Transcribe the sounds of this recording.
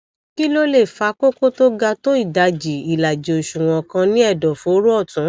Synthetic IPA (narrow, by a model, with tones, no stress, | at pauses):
ki˦lo˦le˦˨fa˧˦ko˦ko˦to˦ɡa˧to˦i˦˨da˧d͡ʒi˨i˨la˨d͡ʒi˨o˨ʃũ˨w̃ɔ̃˧kã˧nĩ˦ɛ˦˨dɔ˨fɾu˦ɔ˦˨tũ˨˦